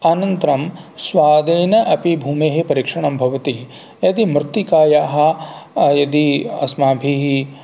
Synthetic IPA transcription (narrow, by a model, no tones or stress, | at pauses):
anɐnt̪ɾɐmsʋaːd̪eːnɐʔɐpibʱuːmeːɦepɐɾiːkʂɐɳɐmbʱɐʋɐt̪i | jɐd̪imɾɨt̪ːikaːjaːɦɐ̆jɐd̪iɐ̰smaːbʱiɦi